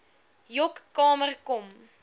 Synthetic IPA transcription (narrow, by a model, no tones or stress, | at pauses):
jɔkːɑːmərkɔm